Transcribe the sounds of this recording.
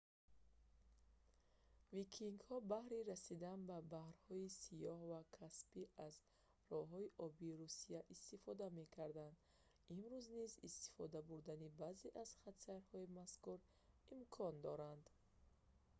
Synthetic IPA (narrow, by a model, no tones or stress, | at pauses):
vikʰiŋɡhɔbahɾiɾasid̪anbabahɾhɔisijɔhvakʰaspiʔaz | rɔɦɔiʔɔbiːɾusijaʔist̪ifɔd̪ame̞kʰaɾd̪and̪ | imɾuznizist̪i̥fɔd̪abuɾd̪anibaze̞ʔaz̥χat̪saɾhɔimaskuɾ | imkʰɔnd̪ɔɾand̪